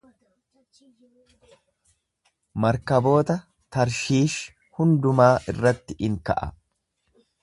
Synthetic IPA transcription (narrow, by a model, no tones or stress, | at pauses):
mɐɾkɐbo̞ːt̪ɐ | t̪ɐɾʃiːʃ | hʊnd̪ʊmaːʔɪrːɐt̪ːɪʔɪŋkɐ̰ʔɐ̰